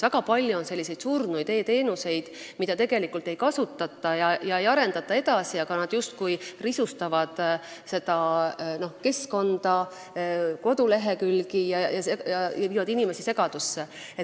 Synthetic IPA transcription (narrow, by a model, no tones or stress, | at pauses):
væɡ̥ɑpɑlʲːjuonse̞lːise̞jd̪̥surnujd̪e̞ːt̪e̞ːnuse̞jd̪̥ | mid̪̥ɑt̪e̞ɡ̥e̞likːˑult̪ːˑe̞jkɑsut̪ːˑɑt̪ːˑɑjɑjɑe̞jɑɾe̞nd̪ɑt̪ːˑɑe̞d̪ɑsiɑɡ̥ɑnɑd̪̥just̪̚kujrisust̪ɑvɑd̪̥se̞d̪̥ɑno̞hke̞sko̞nd̪̥ɑ | ko̞d̪ule̞ɦe̞kylɡijɑjɑejɑjɑviːvɑd̪̥inime̞sise̞ɡ̥ɑd̪̥usːe | e